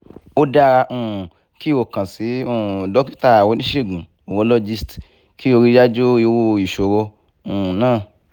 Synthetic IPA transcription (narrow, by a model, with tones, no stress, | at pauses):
o˦da˦˧ɾa˧ũ˦˧˨ | ki˦˨wo˧kã˨si˨˦ũ˦˨dɔ˨˦ki̥˦ta˧a˨wo˧˦nĩ˦ʃe˦˨ɡũ˨ | o˨wõ˧˦lɔ˦˧d͡ʒi˦˧st | ki˦wo˧ɾi˧˦d͡ʒa˦d͡ʒo˦i˧wo˧˨i˨ʃo˨ɾo˧ | ũ˨nãː˦˨